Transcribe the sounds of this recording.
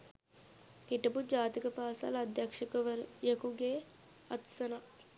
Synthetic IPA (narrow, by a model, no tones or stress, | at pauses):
niʈɐpud͡ʒaːt̪ikɐpaːsa̰lɐd̪jɐkʂɐkɐʋɐɾjɐkuɡeː | ɐt̪sɐna